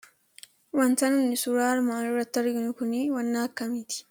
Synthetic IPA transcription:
wɐnt̪ɐnʊnːɪsʊɾaːɾmaːɾʊɾɐt̪ːɐɾɡɪnʊkʊniwɐnːaːkːɐmiːt̪ɪ̥

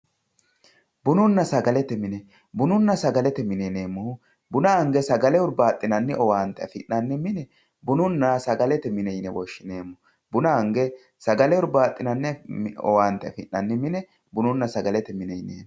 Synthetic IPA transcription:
bʊnʊnːɐsɐɡɐlɛt̪ɛmɪnɛ | bʊnʊnːɐsɐɡɐlɛt̪ɛmɪneneːmːʊ | bʊnaŋɡɛsɐɡɐlɛʊɾbaːt̪ʼːɪnɐnːɪʔɔwaːnt̪ːɛɐfɪ̰ʔːɐnːɪmɪnɛ | bʊnʊnːɐsɐɡɐlɛt̪ɛmɪnɛjnɛwɔʃːɪneːmːʊ | bʊnaŋɡɛ | sɐɡɐlɛʊɾbaːt̪ʼːɪnɐnːɪɔ̰waːnt̪ɛɐ̰fɪʔnːɐnːɪmɪnɛ | bʊnʊnːɐsɐɡɐlɛt̪ɛmɪnɛjnḛːm

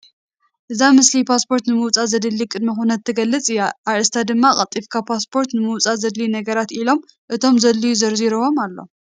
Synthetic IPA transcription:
ʔɨzamɨslipʰaspʰo̞ɾt̪nɨmɨwt͡sʼazɐd̪ɨlːikʼɨd̪̚mixunɐt̪ʰːɨɡɐlːɨt͡sʼɨjːaʔaɾɨst̪ʰad̪ɨmːakʼɐt̪ʼːifkʰapʰaspʰo̞ɾt̪nɨmɨwt͡sʼazɐd̪linɐɡɐɾat̪ilo̞m | ʔɨt̪ʰo̞mzɐlːijuzɐɾziɾɨwo̞malːo̞̰

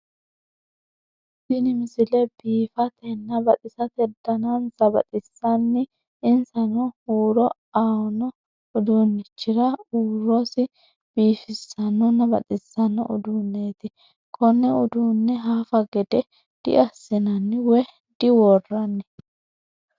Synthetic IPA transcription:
sɪnɪmɪsɪlɛbiːfɐt̪ɛnːɐbɐt̪ɪsɐt̪ɛd̪ɐnɐnsɐbɐ̰t̪ɪsːɐnːɪ | ɪnsɐnɔuːɾɔ | aːwɔnɔ | ʊd̪uːnːɪt͡ʃːɪɾɐuːɾɔsɪ | b̥iːfɪsːɐnʊnɐbɐ̰t̪ʼɪsːɐnɔ̰ʔʊ̰d̪uːnːeːt̪ɪ | kʰɔnːɛʊd̪uːnːɛɦaːfɐɡɛd̪ɛ | d̪̥ɪ̰ʔɐsːɪnɐnːɪwɛ | d̪̥ɪwɔrːɐnːɪ

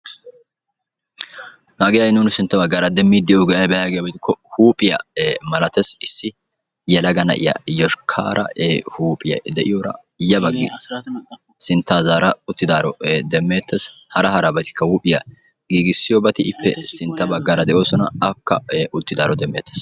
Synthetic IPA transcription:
naːɡɪjajnuːnɪsɪnt̪ːɐbɐɡːaːɾɐd̪ɛmːid̪ːɪʊɡɛjɐjbɛjaɡejbɪd̪ɪkʰːɔhuːpʼɪjɐ̰mɐlɐt̪ɛsɪsːɪ | jɛlɐɡɐnɐ̰ʔɪ̰jɐ̰jɔʃkʰa̰ːɾɐ̰huːpʼɪjɐ̰d̪ɛʔɪjoɾɐ̰ | jɐbɐɡːɪ̰ | sɪnt̪ːaːzaːɾɐʊt̪ːɪd̪aːɾɔd̪ɛmːeːt̪ːɛshɐɾɐɦɐɾɐbɐt̪ɪ̥kːɐhuːpʼɪjɐ | ɡiːɡɪsːɪjɔbɐt̪ɪʔɪpːɛ̰sɪnt̪ːɐbɐɡːaːɾɐd̪ɛʔo̞ːsɔnɐɐkːɐ̰ʊt̪ːɪd̪aːɾɔd̪ɛmːeːt̪ːɛ̥s

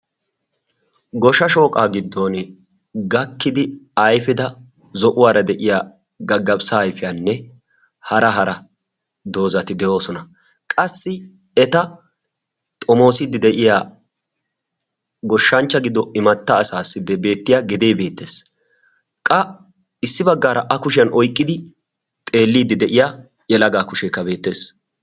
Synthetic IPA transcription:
ɡɔʃɐʃo̞ːkʼaːɡɪd̪ːoːn | ɡɐkːɪd̪ɪɐjfɪd̪ɐ | zɔʔʊwaːɾɐd̪ɛʔɪjaː | ɡɐɡːɐpsaːjfɪjaːnːɛ | hɐɾɐɦɐɾɐ | d̪o̞ːzɐt̪ɪd̪ɛʔo̞ːsɔnɐ | kʼɐsːɪ | ɛt̪ɐ | t̪ʼɔmo̞ːsɪd̪ɪd̪ɛʔɪjaː | ɡɔʃːɐnt͡ʃːɐɡɪd̪ːɔɪmɐt̪ːɐːsaːsːɪd̪ɛbe̞ːt̪ːɪjaɡɪd̪eːbe̞ːt̪ːe̞ːs | kʼɐ | ɪsːɪbɐɡːaːɾɐʔɐkʊʃɪjɐnɔjkʼːɪd̪ɪ | t̪ʼe̞ːlːiːd̪ːɪd̪ɛʔɪjaː | jɛlɐɡaːkʊʃeːkːɐbe̞ːt̪ːe̞ːs

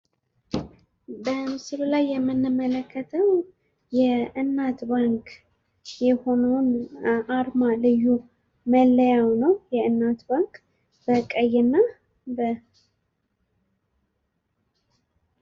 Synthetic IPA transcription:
bəmɨsɨlulajːɛmːɨnːɨmːələkʰːət̪ʰəw | jɛɨnːat̪baŋk | jɛho̞nəwnʔaɾmalɨjːu | məlːəjawnəwjɛɨnːat̪baŋkʼ | b̥əkʼəjːɛnːa | bə

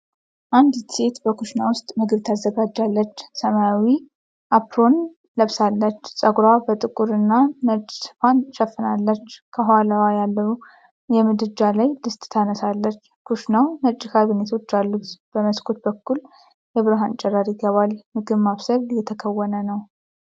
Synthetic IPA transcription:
ʔand̪se̞t̪bəkʰuʃnawʊst̪ʼmɨɡɨβt̪ʰazːəɡad͡ʒːalːət͡ʃːsəmajawi | ʔapʰɾo̞n | ləβsalːət͡ʃːsʼəɡɾabət̪ʼɨkʼuɾɨnːanət͡ʃʼːsɨ̥fanʃəfːɨnalːət͡ʃːkʰəɦaləwajalːəu | jɛmɨd̪d͡ʒalajlɨst̪ʼt̪ʰanəsalːət͡ʃːkʰuʃnawnət͡ʃʼːɪkʰaβɨnet̪ʰo̞t͡ʃːalːut̪b̥əməskʰʼot̪̚bəkːul | jɛβɨɾɦant͡ʃʼɛɾːaɾɪɡəβalmɨɡɨβmaβsəɾjɛt̪ʰəkʰəwːənənəw

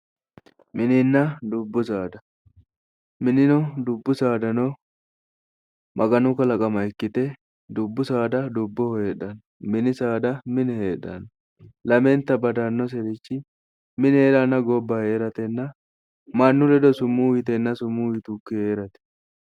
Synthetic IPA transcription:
mɪnɪnːɐd̪ʊbːʊsaːd̪ɐ | mɪnɪnɔd̪ʊbːʊsaːd̪ɐnɔ | mʔɐɡɐnʊkɐlɐkʼɐmɐjkːɪt̪ɛ | d̪ʊbːʊsaːd̪ɐd̪ʊbːɔheːᶑɐn | mɪnɪsaːd̪ɐmɪnheːᶑɐ̰n | lɐmɛnt̪ːɐbɐd̪ɐnːɔs̬ɛɾɪt͡ʃːɪ | mɪneːᶑɐnːɐɡɔbːɐheːɾɐt̪ɛnːɐ | mɐnːʊd̪ɛd̪ɔsʊmːuːwɪt̪ɛnːɐsʊmːuːwɪt̪uːkːɪeːɾɐt̪ɛ̥

